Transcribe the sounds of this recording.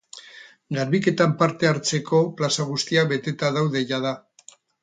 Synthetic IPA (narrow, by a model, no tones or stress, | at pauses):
ɡaɾβike̞t̪ampaɾt̪e̞aɾt͡se̞kʰo̞plasaɣ̞ust̪iaβe̞t̪e̞t̪aðawðe̞ʎaða